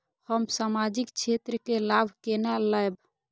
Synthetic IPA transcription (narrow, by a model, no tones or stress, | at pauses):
həmsamad͡ʒikt͡ʃʰet̪ɾəkelabʱkenaləjb